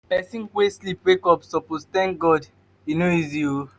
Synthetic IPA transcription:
pɛsĩnweslipwekɔpsɔpost̪ɛ̃ŋk̚ɡɔd | inoizio

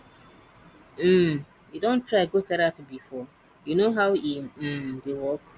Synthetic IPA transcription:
m̩ | judõntɾaɪɡotɛɾapbifɔ | junoɦaʊidewɔk

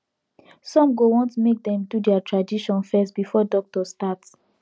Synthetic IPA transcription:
sɔ̃mɡowɔ̃ntmek̚dɛ̃mdudɛatɹadiʃɔ̃nfɛstbifɔdɔk̚tɔstats

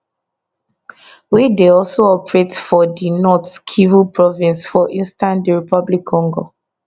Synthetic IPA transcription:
wideɔlsoɔpɹetfɔdinɔtkʰivupʰɹɔvĩnsfɔʔĩnstãndiɹipɔblikʰːɔ̃ŋɡo̰

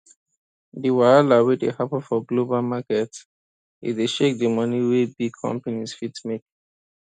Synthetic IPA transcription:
diwaalawedehapafɔɡlobalmakɛt | ḭdeʃek̚dəmʌniwebikʰɔ̰̃mpanisfitmek

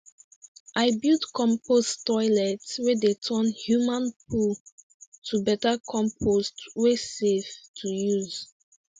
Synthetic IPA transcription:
ʔaɪbildkɔ̃mpostɔɪlɛtswedetʰə̃nhjumãnpʰul | tʰubɛtakʰɔ̃mpʰostweseftʰujuz̥

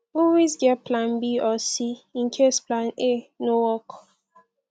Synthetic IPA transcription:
ɔwizɡɛplãnbiɔsiĩnkʰesplãnenowɔk

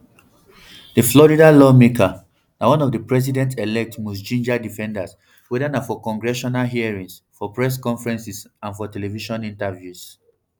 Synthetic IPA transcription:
dəflɔɹidalɔmekʰa | nawɔ̃nɔvdəpɹɛs̬idɛ̃ntelɛk̚tmɔsd͡ʒĩnd͡ʒadifɛ̃ndas | wɛdanafɔkɔ̃ŋɡɹɛʃɔnalɦiaɹĩŋsfɔpɹɛs̬kɔ̃ɱfɹɛ̃nsisãnfɔtɛlɛviʃɔ̃nĩntavjus

